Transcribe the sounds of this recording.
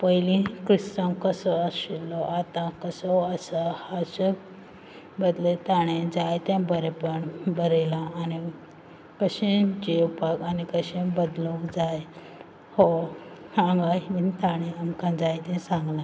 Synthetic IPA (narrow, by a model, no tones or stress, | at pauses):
pəjlĩkɾist̪ãmkəsɔəsilɔʔat̪ãkəsɔəsəhasə | bəd̪let̪aɽ̃ẽd͡zajt̪ɛ̃bəɾepəɳbəɾelãːni | kəɕẽd͡ʑewpaɡanikəɕẽbəd̪lõkd͡zaj | hɔsãŋɡamint̪aɽ̃ẽəmkãd͡zajt̪ɛ̃sãŋɡlã